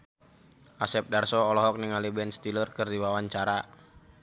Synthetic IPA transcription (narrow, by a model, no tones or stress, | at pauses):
ʔasɛp̚darsɔːlɔɦɔk̚niŋalibɛnst̪ilərkɨrdiwawaɲt͡ʃaɾa